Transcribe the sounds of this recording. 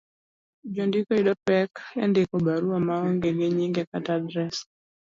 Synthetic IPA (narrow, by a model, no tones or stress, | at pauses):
d͡ʒɔndikɔiɗɔpɛkɛ̰ndekɔɓaɾuamaɔŋɡɛɡeɲiŋɡiakatadɾɛs